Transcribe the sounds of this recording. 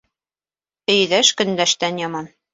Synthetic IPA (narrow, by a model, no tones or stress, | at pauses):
ɘ̆jðæʃkɵ̆nd̪æʃt̪ænjɒmɑn